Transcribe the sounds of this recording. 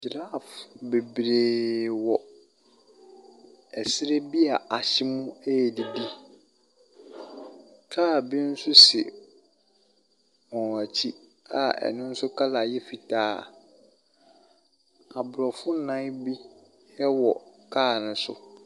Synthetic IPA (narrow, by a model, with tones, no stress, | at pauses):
d͡ʑɾa˦˨fbe˨bɾeː˨wɔ˨ | ɛ˨sɪ˦ɾe˦bi˦a˨ʔa˨ɕɪ˦mũ˦e˦˨di˨di˦ | kʰaː˦˨bi˦n̩˦sʊ˦sɪ̰˨ | mɔ̃˨a˨t͡ɕʰi˦ | a˨ɛ̰˨nʊ̃˦n̩˦sʊ˦kʰa˦la˨jɛ˦fi˨tʰaː˦˨ | a˨bʊ˨ɾɔ˨fʊ˦nã˦bi˦ | jɛ˦wɔ˨kʰaː˦˨nʊ̃˦sʊ̰˦